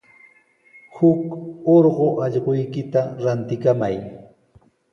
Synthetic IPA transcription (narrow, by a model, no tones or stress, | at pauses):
hʊkoɾɢoʔɑʎɢojkɪt̪aɾant̪ɪkamaj